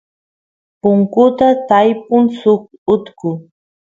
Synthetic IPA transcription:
pʊŋkʊt̪at̪ajp̚ʊŋsʊkʊt̪kʊ

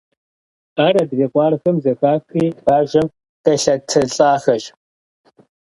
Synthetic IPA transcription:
aːrɐdɨveːkʷɑːrxɐmzɐxaːxiːbaːʒɐm | kɐɬɐtʰɐɬʼaːxɐʒ

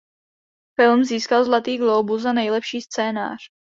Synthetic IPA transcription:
fɪlmziːskalzlat̪iːɡlowbuzanɛjlɛpʃiːst͡sɛːna̰ːr̝̥

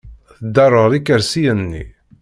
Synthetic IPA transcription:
θəd̪ːɑrˤəʁɾikːəɾsijənːḭ

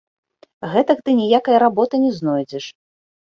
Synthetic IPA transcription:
ɣɛt̪ɐkt̪ɨnʲijakɐjɐɾabɔt̪ɐnʲɛznɔjd͡zʲɛʂ

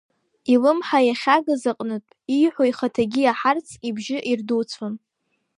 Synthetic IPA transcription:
ilɨmħajaχʲaɡɨzaqʼnɨtʼijħʷoiχatʰaɡʲiaħart͡sʰibʒɪʔirduwt͡sʷʰon

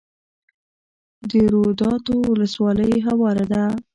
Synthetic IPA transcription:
d̪əɾod̪ɑt̪owʊləswɑləjɦawɑɾad̪a

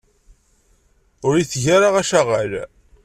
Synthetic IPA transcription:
ʊɾiθʝaɾaʁæʃaʁal

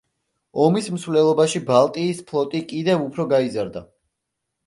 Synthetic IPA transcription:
ɔmism̩svlɛlˠɔbaʃibalˠt̪ʼiːspʰlˠɔt̪ʼikʼid̪ɛvupʰɾɔɡaizaɾd̪a

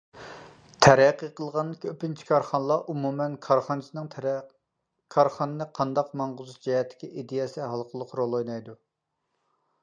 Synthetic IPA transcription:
t̪ʰɛɾæqːiqʰəlˠʁɑnkʲøpɪnt͡ʃʰi̥kʰɑɾχɑnəlˠɑʔumumɛnkʰɑɾχɑnɨsɨnɨŋ | kʰɑɾχɑnɨnɨqʰɑnd̪ɑqmɑŋʁʊzuʃd͡ʒɛhɛt̪ʰːɪ̥kʲiʔid̪ejɛsɛɦɑlˠqʰəlˠʊqɾolˠojnɑjd̪u

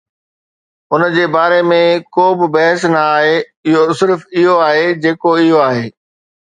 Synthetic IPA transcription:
ʊnd͡ʑeːbaːɾemẽkoːbɪbɐɦɪsnɐaːɦe | ɪɦosɪɾfɪɦoaːɦed͡ʑeːkoɪɦoaːɦeː

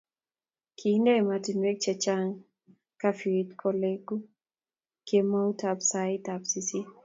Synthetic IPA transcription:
kʰindɛɛmatinwek̚t͡ʃɛt͡ʃaŋ | kafiɾitkʰɔleɡu | kjemautapsaitapsisi

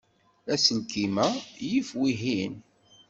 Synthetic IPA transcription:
æsəlkimæjifwiɦin

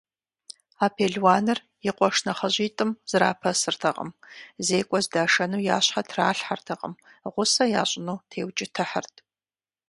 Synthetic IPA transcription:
aːpʰeːɮwaːnɨr | jɪqʷʼɔʂnɐχɐʑiːtʼɨmz̥ra̰ːpʰɐsɨrtʰɐqʼə̰mzeːkʷʼɔzdaːʂɐnuːja̰ːɕħatʰra̰ːɬħartʰɐqʼə̰mʁʷʊsɐjaːɕʷʼɪnuːtʰeːwt͡ʃʼɪtʰɐħərtʰʼ

